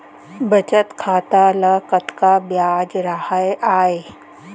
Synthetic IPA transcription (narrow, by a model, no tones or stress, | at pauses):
bɐt͡ʃət̪kʰaːt̪alɐkət̪kabjaːd͡ʒɾəhajaːe